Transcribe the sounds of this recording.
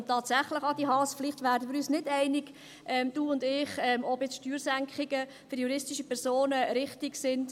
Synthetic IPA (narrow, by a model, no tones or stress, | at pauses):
ntːɑːtsæχləχɑd̥iɦɑːsfliχtʋæːɾdəmɪɾyːsnɪdɛɪnɪɡ̥ | ʔɛmd̥uːʊndɪχɛmɔbjɛt͡sʃtyːɾsæŋkχɪɡə | fʏɾjuɾɪstɪʃəpʰɛɾsoːnəɾɪχtɪɡsɪnd